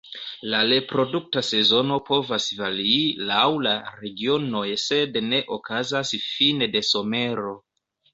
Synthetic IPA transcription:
lale̞pɾo̞duk̚tase̞zo̞no̞po̞vasvaliːlawlaɾe̞ɡio̞no̞jese̞dne̞ʔokazasfinede̞so̞me̞ɾo̞

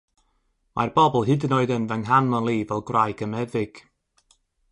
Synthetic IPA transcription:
mʔa̰rb̥ɔbɔlˠɦɪdnɔɨðənvɛŋɦanmənlˠiːvɛlˠɡrajɡəmɛðɪɡ̥

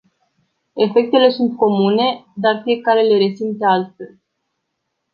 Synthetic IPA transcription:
e̞fe̞k̚t̪e̞le̞sunt̪̚ko̞mune̞d̪arfije̞kaɾe̞le̞ɾe̞sint̪ealt̪fe̞l

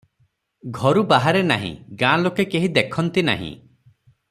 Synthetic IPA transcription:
ɡʱɔɾubaɦaɾena̰ɦḭ̃ɡãlokekeɦid̪ekʰɔnt̪ina̰ɦḭ̃

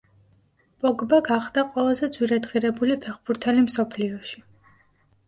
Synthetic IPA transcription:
b̥ʼɔɡbaɡaχd̪̥aqʼwɛlˠazɛd̪zwiɾɛd̪ʁiɾɛbulipʰɛχb̥uɾt̪ʰɛlimsɔpʰliɔʃi

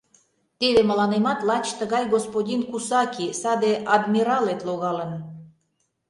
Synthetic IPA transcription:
t̪eβeməlɑnemɑt̪lɑt͡ɕt̪əɣɑjɣospodʲinkusɑkʲisɑd̪eʔɑd̪mʲiɾɑlet̪loɣɑlən

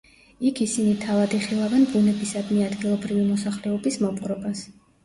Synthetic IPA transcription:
ikʰisinit̪ʰavad̪iχilˠavɛnbunɛbisad̪niad̪ɡilˠɔbɾivimɔsaχlɛɔbismɔpʼqʼɾɔbas

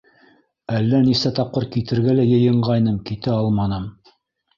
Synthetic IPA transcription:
ælːænisæt̪ɑp̚qɤɾkit̪ɘ̆ɾɡælæjɤ̆jɤ̆ɴɢɑjnɤmkit̪ɘɑlˠmɑnɤm

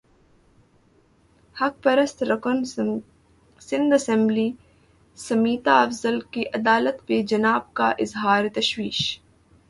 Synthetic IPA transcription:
hɐk̚pɐɾɐst̪ɾɐkən | sɪ̃nd̪ɐsɛ̃mbli | sɐmiːt̪aɐfzɐlkiʔɐd̪aːlət̪ped͡ʒɐnaːb̚kaʔɪzɦaːɾet̪ɐʃwiːʃ

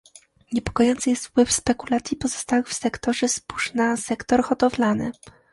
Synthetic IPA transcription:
ɲɛpɔ̥kɔjɔnt̪sɘjɛst̪fpwɘfspɛkulat̪sʲjipɔzɔ̥st̪awɘfsɛkt̪ɔʐɛspu̥ʂnasɛkt̪ɔɾxɔt̪ɔvlanɘ̰

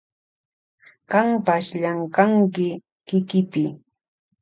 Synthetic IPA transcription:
kampaʃʎaŋkaŋkɪ | kɪkɪpɪ

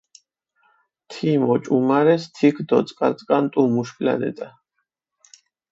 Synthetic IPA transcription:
t̪ʰimɔt͡ʃʼumaɾɛst̪ʰikʰd̪ɔt̪sʼkʼaɾt͡s̪ʼkʼant̪ʼumuʃpla̰nɛ̰t̪ʼa

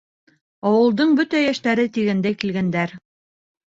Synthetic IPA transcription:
ɑwɤ̆lˠd̪ɤɴbɵt̪æjæʃt̪æɾɘt̪iɡænd̪æjkilɡænd̪æɾ

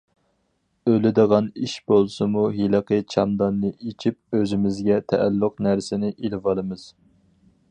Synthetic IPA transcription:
ølɪd̪əʁɑniʃbolˠsɨmuɦilɨqət͡ʃʰɑmd̪ɑnːɨʔit͡ʃʰip̚øzɪmɪzɡʲɛt̪ʰɛʔælːʊqnæɾsɪnɪʔilɪvɑlˠɨmɨz̥

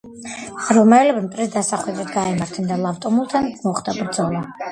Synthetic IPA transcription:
ɾɔmɛlɛbimt̪ʼɾisd̪asaχwɛd̪ɾit̪ɡaɛmaɾt̪ʰɛnd̪alˠaft̪ʼɔmulˠt̪ʰanmɔχd̪abɾd̪zɔlˠa

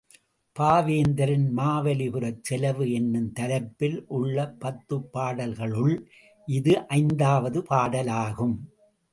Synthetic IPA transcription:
paːʋeːnd̪ɐɾɐnmaːʋɐlɪpɯɾɐt͡ʃɛlɐʋɯɛnːɯmt̪ɐlɐpːɪlʔʊɭːɐpːɐt̪ːɯpːaːɽɐlɣɐɭɯɭ | ʔɪðɯʔɐɪnd̪aːʋɐðɯpaːɽɐlaːɣɯm

